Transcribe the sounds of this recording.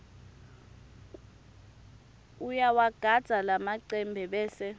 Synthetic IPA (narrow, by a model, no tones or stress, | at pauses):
ujawaɡ̥ʱad̥z̥ʱalamaǀɛmbʱɛɓɛːsɛ